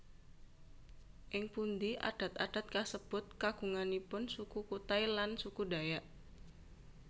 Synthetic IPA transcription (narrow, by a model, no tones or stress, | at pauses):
ʔɪŋpund̪ia̰d̥a̤t̪ad̥a̤t̪̚kasəb̥ʊt̪̚kaɡ̥uŋanipʊnsukukut̪ailansukudajaʔ